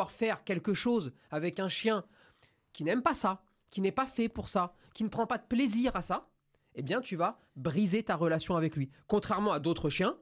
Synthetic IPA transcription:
aʁfɛʁkʲɛlkəʃoz | avɛkɛ̃ʃjɛ̃ | kʲinɛmpasa | kʲinɛpafɛpuʁsa | kʲinəpχɑ̃pad̪əpleziʁasa | ebjɛ̃t̪yva | bʁizet̪aʁəlasjɔ̃avɛklɥikɔ̃t̪χɛʁmɑ̃ad̪ot̪χəʃjɛ̃

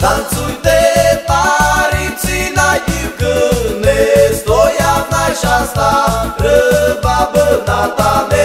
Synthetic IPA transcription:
kant͡sujt̪et̪aɾit͡sinajikənesd̪ojanajɕast̪aɾəbabənat̪ane

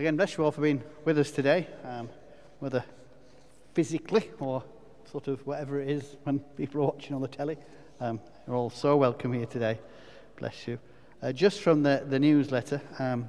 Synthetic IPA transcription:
əɡɛ̃nblɛsjəwɔlˠfəbĩnwɨðʌstʰɨdeɪʌm | wɛðə˞ | fɪzɪkʰliə˞ | sɔɹɾʌvwɒɾɛvə˞ɪɾɪz̥wə̃npʰiˑpl̩ˠəwɑt͡ʃɪ̃ŋə̃nðətʰɛlˠi | ʌ̃m | jə˞ɔːlˠsoʊwɛlˠkʰə̃mhiɹtʰɨdeɪ | b̥lʔɛ̰sjɨ | ʌd͡ʒʌstfɹʌ̃mðɨðɨnjʉzlɛtə˞ʌ̃m

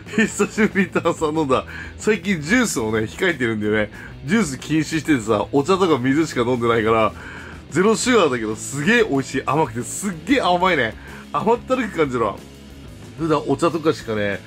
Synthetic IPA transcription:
hest̪aɕɨɾʲit̪aːsãnːõnd̪asaik̬ʲĩɲ̟d͡ʑɨːsɨo̞ne̞çi̥kaet̪̬ːeɾɯ̟̃nd̪ajone̞ | d͡ʑɨːs̬ɨkʲĩɰ̃ɕiɕi̥t̪e̞t̪esa̰ʔo̞t͡ɕat̪o̞kamʲizɨɕi̥kanõnd̪e̞naikaɾa | d͡ze̞ɾo̞ɕɨɡad̪ake̞d̪o̞sɨɡe̞ːʔo̞iɕiːʔamakɯ̟t̪e̞sɨɡːe̞ːamaine̞ | amat̪ːaɾɯ̟kɯ̟kãɲ̟d͡ʑiβa̰ | ɸɯ̟d̪ãʔo̞t͡ɕat̪okaɕi̥kane̞

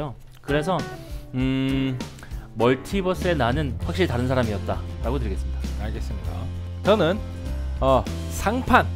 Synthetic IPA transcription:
jo | kɯɾe̞sʰʌɯ | mʌɭtʰibʌs͈ɯe̞nanɯnɸwakɕ͈iɾɭitaɾɯnsʰaɾamiʌt̚t͈aɾaɡotɯɭɡe̞s͈ɯmɲid̥aaɭɡe̞s͈ɯmɲida̰t͡ɕʌnɯn | ʌ | sʰaŋpʰan

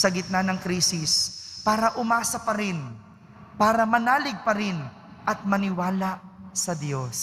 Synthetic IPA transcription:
sɐɡɪt̪̚nɐnɐŋkɾiːsɪspaːɾɐʔʊmaːsɐpɐɾɪn | paːɾɐmɐnaːlɪɡ̚pɐɾɪn | ʔɐt̪̚mɐnɪwaːlaʔsɐd̪jo̞s

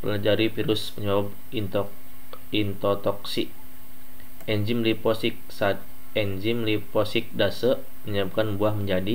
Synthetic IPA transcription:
pəlad͡ʒaɾifiɾʊsməɲawab | int̪ | int̪ot̪ɔksiʔ | ɛɲd͡ʒimlipɔsɪk̚sat̪̚ | ɛɲd͡ʒimlipɔsɪk̚dasə | məɲaab̚kanbuahməɲd͡ʒadi

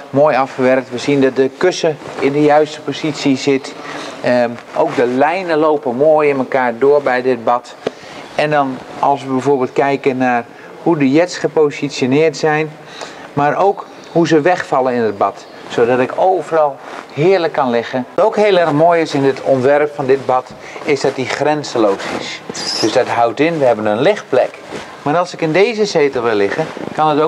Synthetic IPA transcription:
moːjɑfχəʋɛrk̚tʋəsindɑt̚dəkøsəɪndəjœɥstə̥pozisjisɪtəʔowk̚dəlɛjnəlowpəmoːjɪnməkaːɹdoːərbɛjdɪt̚bɑt | ɛndɔnɑlˠsʋəbɛjvoːbɪːlˠt̚kɛjkənar | hudəjɛsχəposisjonɪːrtsɛjn | maɾowk | huzəʋɛχfɑlˠənɪnəd̚bɑt | sodɑtɪkowvərɑlˠhɪːəɹləkːɑnlɪɣəntowkheːlˠɛrxmoːjɪsɪndətʰɔntʋɛrpfɑndɪt̚bɑt | ɪsdɑt̚dixrɛnsəlowsɪ̰sd̥øzdɑtɦawtɪnʋəɦɛbənənlɪxt̚plɛk | maːɾɑlˠsɪkɪndeːzəseːtəl̩ˠʋɪlɪxənkɑnəto

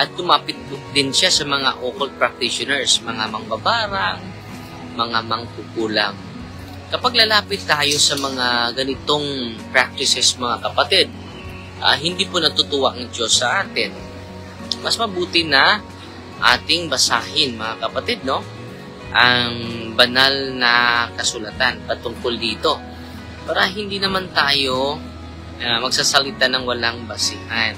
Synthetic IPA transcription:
ʔɐt̪̚ɡʊmaːpɪt̪̚d̪ɪnʃasɐmɐŋa̰ʔoːkɐl̚pɾɐk̚t̪ɪʃonɛɹsmɐŋamɐŋbabaːɾaŋ | mɐŋamɐŋkuːkuːla̰ŋ | kɐpaɡ̚lɐlaːpɪt̪ːaːjo̞sɐmɐŋaɡɐnɪt̪o̞ŋpɹak̚t̪ɪsɛsmɐŋakɐpɐt̪ɛd̪̚ | ʔa̰hɪnd̪iːpʊnɐt̪ʊt̪ʊwaʔɐŋd͡ʒo̞sːɐʔaːt̪ɪn | mɐsmɐbuːt̪ɪnɐ | ʔa̰ːt̪ɪŋbɐsaːhɪnmɐŋakɐpɐt̪ɪd̪̚no̞ | ʔɐŋbɐnalnɐkɐsʊlat̪anpɐt̪ʊŋkold̪iːt̪o̞ | paːɾɐɦɪnd̪inɐmant̪aːjo̞ | amɐɡ̚saːsɐlɪt̪anɐŋwɐlaŋbɐsɪhan

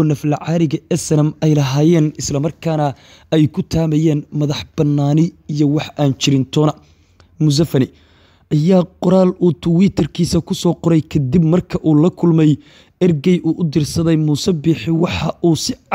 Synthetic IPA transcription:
ɔːnɐflɐʕɑːɾɪɣɐɛsɐnɐmɛjlɐɦaːjɛːnɪslɐmɐrkʰaːnɐ | ɛjkʰʊt̪ʰaːmɛjɛːnmɐðɐħb̥ɐnːaːnɪijɔwɑħaːnt͡ʃɪɾɪnt̪ʰɔːnɐ | mʊz̬ɐfɐnɪ | ʔɐjaːqʊɾaːluːt̪ʰʊwiːt̪ʰɐrkʰiːsɐkʰʊsɔːqɔɾɛjkʰɐd̪ibmɐrkʰɐʔuːlɐkʰʊlmɛj | ɐrɡɛjʔuːʔʊd̪ɪrsɐðɛjmuːsɛbiːħɪwɑħɑʔuːsɪ

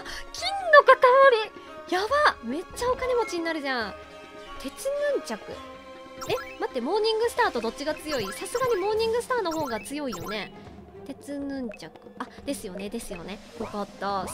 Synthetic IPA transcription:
kʲĩnːo̞kak̪aβaɾʲi | jaβame̞t͡ɕːao̞kane̞mo̞t͡ɕiɲ̟inaɾɯ̟ʑã | t̪e̞t͡sɨnɯ̟̃ɲ̟t͡ɕakɯ̟̰ | e̞mat̪ːe̞mo̞ːɲ̟ĩŋɡɯ̟sɨ̥t̪aːt̪o̞d̪o̞tt͡ɕːiɡat͡sɨjo̞isasɨɡaɲ̟imo̞ːɲ̟ĩŋɡɯ̟sɨ̥t̪aːno̞ɦo̞ːɡat͡sɨjo̞ijo̞ne̞ | t̪e̞t͡sɨnɯ̟̃ɲt͡ɕakɯ̟̥ad̪̥e̞sɨjo̞ne̞d̪e̞sɨjo̞ne̞jo̞kat̪ːa

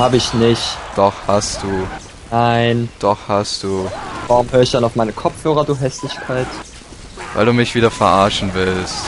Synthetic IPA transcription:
haːbəɪçnɪçtd̥ɔχhastd̥uː | naɪnd̥ɔχhastd̥uːvaʁʊmhøːɐɪçd̥anaʊfmaɪnəkʰɔp͡fhøːʁ̞ɐduːɦɛslɪçkʰaɪt | vaɪlduːmɪçv̥iːdɐfɛɐʔaɐʃn̩vɪlst

